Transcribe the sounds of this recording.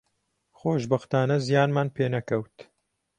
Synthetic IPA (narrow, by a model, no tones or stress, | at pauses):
xoːʒbɐxt̪aːnɐzijaːnmaːnpʰeːnɐkɐwt̪